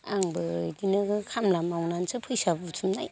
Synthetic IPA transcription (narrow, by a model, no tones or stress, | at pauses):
a̰ŋbɯdinɯkʰamlamawnansɯpʰɯjsabbutʰumnaj